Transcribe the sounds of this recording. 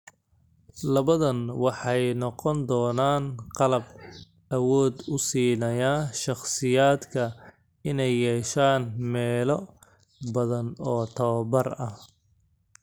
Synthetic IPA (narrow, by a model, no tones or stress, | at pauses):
lɐβɐðɐnwɑħɑjnɔqɔnd̪ɔːnaːnqɑlɐb̚ | ɐwɔːd̪ʊsiːnɐjaːʃɑχsɪjaːd̪kʰɐ | ɪnɛjːɛːʃaːnmɛːlɔ | bɐðɐnɔːt̪ʰɐβɐbɐrɐh